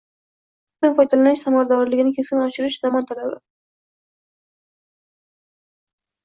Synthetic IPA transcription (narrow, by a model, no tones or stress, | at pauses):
anfɒjd̪alanɪʃsamaɾad̪ɒɾlɪɡʲɪnɪkʲʰeskʲɪnɪɒʃɪɾɪʃz̥amɒnt̪ʰalabɪɾa̰